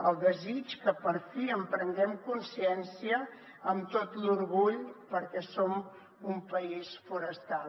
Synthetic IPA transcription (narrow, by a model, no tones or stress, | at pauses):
əlˠd̪əzit͡ʃkəpəɾfiəmpɾəŋɡɛmkunsiɛnsiəː | mt̪ot̪luɾɣuʎpəɾkɛsom | umpəisfuɾəst̪al